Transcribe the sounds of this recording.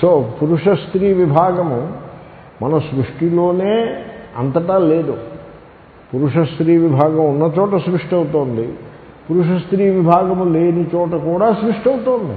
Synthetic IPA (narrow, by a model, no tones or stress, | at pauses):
soːpuɾuʂɐst̪ɾiːʋibʱaːɡɐmu | mɐnɐsɾuʂʈiloːneːɐ̰nt̪ɐʈaːleːd̪u | puɾuʂɐst̪ɾiːʋibʱaːɡɐmunːɐt͡ʃɔːʈɐsɾuʂʈiɐwut̪oːnd̪i | puɾuʂɐst̪ɾiːʋibʱaːɡɐmuleːnit͡ʃɔːʈɐkuːɽaːsɾuʂʈiɐwut̪oːnd̪ḭ